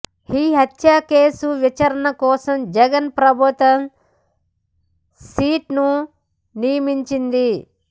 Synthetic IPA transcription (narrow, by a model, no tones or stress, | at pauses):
hiːɦɐt̪jaːkeːsuʋit͡ʃɐɾɐnɐkɔːsɐmd͡ʒɐɡɐnpɾɐbʱut̪ɐm | siːʈnu | nijɐmiɲt͡ʃind̪i